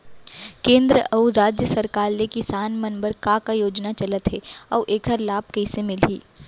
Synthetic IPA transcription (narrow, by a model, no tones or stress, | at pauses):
kẽːnd̪ɾəʔɐuɾaːd͡ʒjəsɐɾkaːɾlekisaːnmɐnbəɾkãkajoːd͡ʒnat͡ʃɐlət̪ɦɛːɔːʔeːkʰəɾlaːb̚kɐisemɪlɦiː